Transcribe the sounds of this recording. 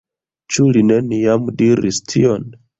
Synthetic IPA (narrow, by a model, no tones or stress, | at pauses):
t͡ʃuline̞niamdiɾḭstʰion